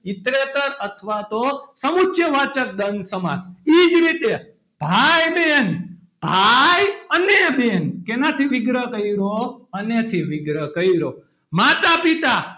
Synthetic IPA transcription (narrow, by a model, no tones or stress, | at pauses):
ɪt̪ɾet̪əɾət̪ʰʋat̪osəmutʃʰjəʋat͡ʃək̚d̪ənsəma̰sid͡ʒɾit̪e | b̥ʱajben | b̥ʱajənebenkenat̪ʰiʋɪɡɾəkəiɾoənet̪ʰiʋɪɡɾəkəiɾo | mat̪apit̪a